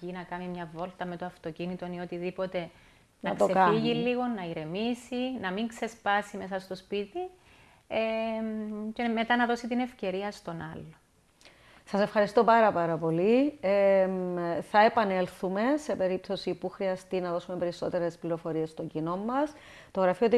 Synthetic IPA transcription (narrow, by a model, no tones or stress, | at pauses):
inɐkɐmimɲɐvo̞lt̪ɐme̞t̪oɐft̪o̞cinit̪o̞nio̞t̪iðipo̞t̪e̞ | nɐtksosekɐiʝilːiɣo̞nːɐiɾe̞misinɐmiŋkse̞spɐsime̞s̬ɐst̪o̞spit̪i | e | ceme̞t̪ɐnɐðo̞sit̪ine̞fce̞ɾiɐst̪o̞nɐlːo | sɐse̞fxɐɾist̪o̞pɐɾɐpɐɾɐpo̞li | θɐe̞pɐne̞lθume̞se̞pe̞ɾip̚t̪o̞sipuxɾiɐst̪inɐðo̞sumepe̞ɾiso̞̰t̪e̞ɾespliɾo̞fo̞ɾie̞st̪oɲɟino̞mːɐs | t̪o̞ɣɾɐfiot̪